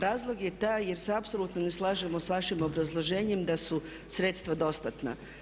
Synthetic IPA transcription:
ɾaːzlˠo̞ɡje̞t̪aje̞ɾseapso̞lut̪noneslˠaːʒemosʋaʃimo̞bɾazlˠo̞ʒeːɲemd̪asu | sɾet̪st̪ʋad̪o̞st̪at̪na̰

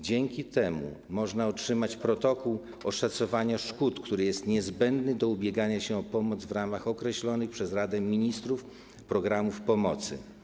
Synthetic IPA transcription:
d͡ʑɛŋkʲit̪ɛmṵmɔʐnaɔtʂɘmat͡ɕpɾɔt̪ɔkuw | ɔʂat̪sɔvaɲaʂkut̪kt̪uɾɘjɛst̪ɲɛzbɛnd̪nɘd̪ɔubʲjɛɡaɲaɕɛɔpɔmɔd̪zvɾamaxɔkɾɛɕlɔnɘxpʂɛzɾad̪ɛmʲiɲist̪ɾuf | pɾɔɡɾamufpɔmɔt̪sɘ̰

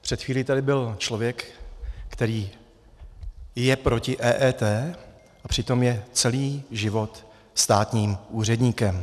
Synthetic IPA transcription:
pr̥ɛt̪xiːlit̪adɪbɪlt͡ʃlo̞vjɛkːkt̪ɛɾiː | jɛpɾo̞cɪʔɛːʔɛːt̪ɛː | ʔapr̥ɪt̪o̞mjɛt͡sɛliːʒɪvo̞t̪ | st̪aːt̪ɲiːmʔuːr̝ɛdɲiːkɛm

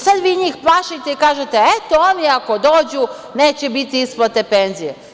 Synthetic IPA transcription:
sad̪ʋiːɲiːxplˠaʃit̪eikaːʒet̪eet̪ooniako̞d̪o̞ːd͡ʑu | neːt͡ɕebit̪iisplˠat̪e̞pe̞nzije

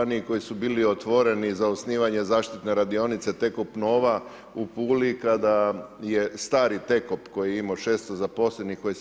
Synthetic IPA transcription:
niko̞jisubiːliot̪ʋo̞ɾe̞nizaosniːʋaɲe̞zaːʃt̪it̪ne̞ɾad̪io̞nit̪se̞t̪e̞kopno̞ːʋa | upuːlikad̪aje̞st̪aːɾit̪e̞kopko̞jiimoʃe̞ːst̪ozapo̞slenikoji

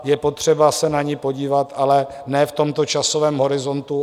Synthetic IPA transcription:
jɛpo̞t̪r̝̥ɛbasɛnaɲɪpo̞ɟiːvat̪ʔalɛ | nɛːft̪o̞mt̪o̞t͡ʃasovɛːmɦo̞ɾɪzo̞nt̪u

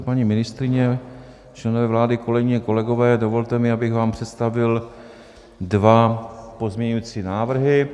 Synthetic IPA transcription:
paɲimɪnɪst̪ɾɪɲɛ | t͡ʃlɛnovɛvlaːdɪko̞lɛɡɪɲɛko̞lɛɡovɛːdo̞vo̞lt̪ɛmɪabɪxvaːmpr̝̥ɛt̪st̪avɪl | dvapo̞zmɲɛɲujit͡siːnaːvr̩ɦɪ

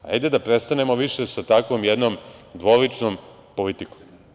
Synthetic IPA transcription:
a̰jd̪ed̪apɾe̞st̪anemo̞ʋiʃesat̪akʋomjed̪nomd̪ʋo̞lit͡ʃnom | po̞lit̪iko̥m

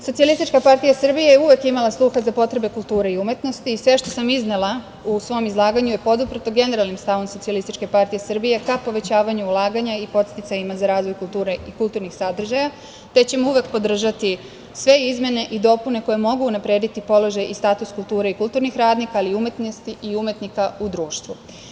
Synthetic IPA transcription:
sosialist̪it͡ʃkapaɾt̪ijasr̩bijejeuʋe̞kimalˠaslˠuxazapo̞t̪ɾe̞be̞kulˠt̪uːɾeiume̞t̪no̞st̪iːsʋe̞ʃt̪osamiznelˠa | usʋo̞mizlˠaːɡaɲuje̞po̞d̪upɾt̪oɡe̞ne̞ɾalnimst̪aʋo̞mso̞t̪ialist̪it͡ʃke̞paɾt̪ije̞sr̩bije̞kapo̞ʋe̞t͡ɕaːʋaɲuulˠaːɡaɲaipo̞t̪st̪it̪sajimazaɾaːzʋo̞jkulˠt̪uːɾeikulˠt̪uːɾnixsad̪r̩ʒaja | t̪e̞t͡ɕe̞mouʋe̞kpo̞d̪r̩ʒat̪i | sʋe̞izmje̞ne̞ʔid̪o̞pune̞ko̞jemo̞ɡuːnapɾe̞ːd̪it̪ipo̞lo̞ʒajist̪aːt̪uskulˠt̪uːɾeikulˠt̪uːɾnixɾaːd̪nikaaliume̞t̪nost̪iʔiumje̞t̪nikaud̪ɾuːʃt̪ʋu

